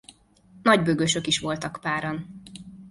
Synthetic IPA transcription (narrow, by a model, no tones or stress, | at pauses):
nɒɟbøɡøʃø̞kiʃʋo̞lt̪ɒkpaːɾon